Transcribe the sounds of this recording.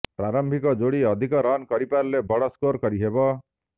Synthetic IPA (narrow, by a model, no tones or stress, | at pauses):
pɾaɾɔmbʱikɔd͡ʒoɽiɔd̪ʱikɔɾɔnkɔɾipaɾlebɔɽɔskoɾkɔɾiɦebɔ